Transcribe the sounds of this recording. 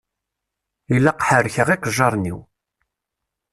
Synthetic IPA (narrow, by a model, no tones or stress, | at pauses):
ilːaqħəɾçəʁiqəʒːɑɾˤnḭw